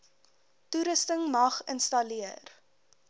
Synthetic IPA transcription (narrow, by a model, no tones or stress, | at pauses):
tuɾəstəŋmɐχənstɐliər